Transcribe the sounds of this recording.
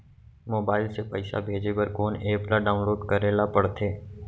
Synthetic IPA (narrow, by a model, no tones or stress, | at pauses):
moːbaːɪlsepəɪsa̰bʱeːd͡ʒepɐɾkoːneːplaɖaːʊ̃nloːɖkɐɾeːlapɐɽt̪ʰeː